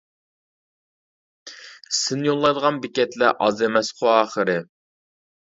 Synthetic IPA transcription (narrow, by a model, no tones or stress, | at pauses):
sɪnɪjolˠːɑjd̪əʁɑnbɪkʲɛt̪læʔɑzemɛsqʰʊɑːχəɾɨ